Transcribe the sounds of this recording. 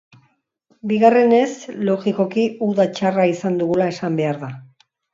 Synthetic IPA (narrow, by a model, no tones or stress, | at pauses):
biɣare̞ne̞slo̞ɣiko̞kiuðat͡ʃaraisand̪uɣulae̞sambe̞aɾða